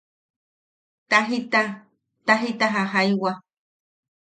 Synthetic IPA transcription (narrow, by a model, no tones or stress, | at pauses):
t̪aɦit̪a | t̪aɦit̪aɦaɦaiwa